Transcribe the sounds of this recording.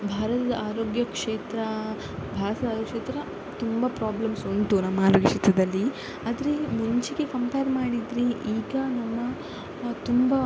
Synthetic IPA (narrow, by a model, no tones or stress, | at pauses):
bʱaːɾɐt̪ɐd̪ɐaːɾoːɡjɐkʂeːt̪ɾɐ | bʱaːɾɐt̪ɐd̪aːɾoɡjɐkʂeːt̪ɾɐ | t̪umbɐpɾaːblɐmsont̪unɐmːaːɾoɡjɐkʂeːt̪ɾɐd̪ɐlːi | aːd̪ɐɾemuɲt͡ʃiɡekɐmpejɐɾmaːɽid̪ɾiʔiːɡɐnɐmːɐ | t̪umbɐ